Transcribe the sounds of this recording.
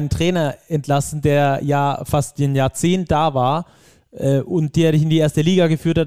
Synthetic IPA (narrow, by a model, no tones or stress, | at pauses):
nəntʁ̥ɛːnɐɛntʰlasn̩deːɐjaːfastɪnjaːɐt͡seːnt̚d̥aːvaːɐ | ʔɛːʔʊnt̚d̥eːɐdɪçɪndiːʔeːɐstəliːɡaɡəfyːɐthat